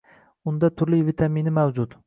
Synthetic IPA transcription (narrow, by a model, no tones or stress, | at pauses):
ʊnd̪at̪ʰʊɾlɪvɪt̪ʰaminɪmawd͡ʒʊt̪